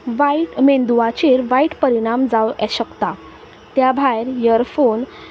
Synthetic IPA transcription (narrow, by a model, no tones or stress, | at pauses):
ʋaiʈmend̪uʋat͡ɕeɾʋaiʈpəɾiɽ̃amd͡zaʋɛ̰ɕəkt̪a | t̪jabʱajɾjəɾfon